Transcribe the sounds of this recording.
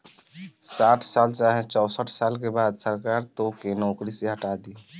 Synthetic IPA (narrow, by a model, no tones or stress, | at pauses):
saʈʰsalt͡ʃaɦet͡ʃɔʊsəʈʰsalkebad̪səɾkaɾt̪okenɔkɾiseɦəʈad̪i